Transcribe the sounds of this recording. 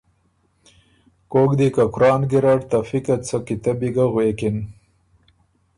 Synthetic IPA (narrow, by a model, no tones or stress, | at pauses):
koːkd̪ikakʊɾɑːnɡiɾaɽt̪afikat͡sʰakit̪abiɡaɣweːkin